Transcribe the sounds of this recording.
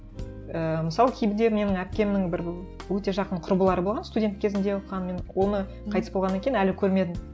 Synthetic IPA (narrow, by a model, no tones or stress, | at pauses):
əməsɑlˠəkʲʰejbɪd̪e̞me̞nɪŋæp̚kʲe̞mɪnɪŋbɪɾ | wɵt̪e̞ʒɑqəɴqʰʊɾbəlˠɑɾəbo̞lˠʁɑnst̪udʲe̞nt̪kʲʰezɪnd̪ewoqːɑnme̞nwo̞nə | qʰɑjt̪əsbolʁɑnːɑaŋkʲej̪nælɪkʲʰɵɾme̞d̪ɪm